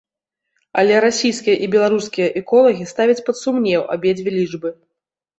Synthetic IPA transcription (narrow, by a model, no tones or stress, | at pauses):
ɐlʲɛɾasʲijskʲijɐʔibʲɛlˠaɾuskʲijɐʔɛkɔlˠɐɣʲist̪avʲɐt͡sʲpɐt̪sumnʲɛwʔa̰bʲɛd͡zʲvʲɛlʲiʐbɨ